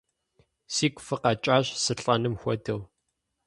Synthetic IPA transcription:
siːkʷʊfɨqɐt͡ʃʼaːɕsɨɬʼɐnɨmxʷɔdɐw

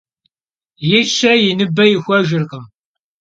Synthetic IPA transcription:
jɪʃːæjinəbːæjəxʷæʒəɾqəm

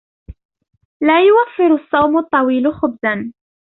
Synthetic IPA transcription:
laːjʊwafːɪɾsˤːɑwmʊt̪ˤːɑwiːlʊxʊbzan

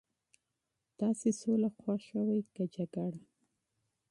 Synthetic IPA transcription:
t̪ɑsesolaxwaxʃawajkad͡ʒaɡaɽa

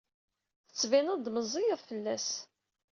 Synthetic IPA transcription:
θə̥t͡sːvinəd̪məzˤijəðˤfəlːæs

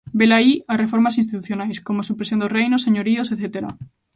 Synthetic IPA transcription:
belaiasrefoɾmasĩnst̪it̪uθjonajskomosupɾesjond̪orejnoseɲoɾioseθet̪eɾa̰

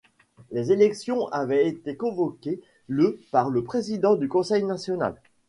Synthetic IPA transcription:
lezelɛksjɔ̃ʔavɛet̪ekɔ̃vɔkʲe | ləpaʁləpχezid̪ɑ̃d̪ykɔ̃sɛjnasjɔna̰l

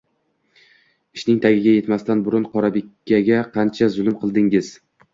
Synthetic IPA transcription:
ɪʃnɪŋt̪ʰaɡʲɪɡʲaje̞t̪mast̪anbʊɾʊnqʰɒɾabekʲːaɡʲaqʰɑnt͡ʃʰazʊlˠɪmqʰɨlˠd̪ɪŋɪz̥

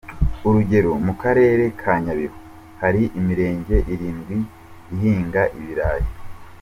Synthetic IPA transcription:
uɾuɟe̞ɾomukaɾe̞ːɾe̞kʰaːɲaβiho | haɾiʔimiɾe̞ːɲɟe̞ʔiɾiːnɡwi | iɦiːŋɡaʔiβiɾaːjo

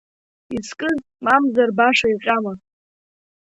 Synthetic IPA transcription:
iskʼɨz | mamzarbaʂaiqʲʼama

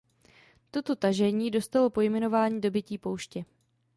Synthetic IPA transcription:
t̪o̞t̪o̞t̪aʒɛɲiːdo̞st̪alo̞po̞jmɛno̞vaːɲiːdo̞bɪciːpo̞wʃcɛ

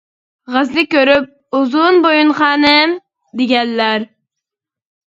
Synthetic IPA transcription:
ʁæzlɪkʲøɾyp̚ | uzunbojunχɑːnɨm | d̪eɡʲɛnːæɾ

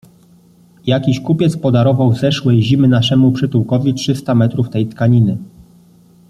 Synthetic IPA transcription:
jakʲiɕkupʲjɛt̪spɔd̪aɾɔvawzɛʂwɛjʑimɘnaʂɛmupʂɘt̪uwkɔvʲitʂɘst̪amɛt̪ɾuft̪ɛjt̪kaɲinɘ

